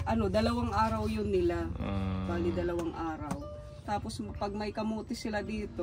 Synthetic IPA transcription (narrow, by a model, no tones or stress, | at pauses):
ʔɐno̞d̪ɐlɐwaŋʔaːɾɐwjʊnːɪlabaːlid̪ɐlɐwaŋʔaːɾɐw | t̪aːpo̞spɐɡ̚mɐjkɐmoːt̪ɪsɪlad̪iːt̪o̞